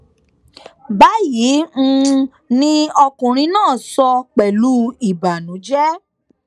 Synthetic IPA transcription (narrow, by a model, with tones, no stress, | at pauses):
ba˨˦ji˨˦ | nĩ˦ɔ˧kũ˨ɾ̃ĩ˧˦nãː˦˨sɔ˧k͡pɛ˨lu˦i˨ba˨nũ˨˦d͡ʒɛ˦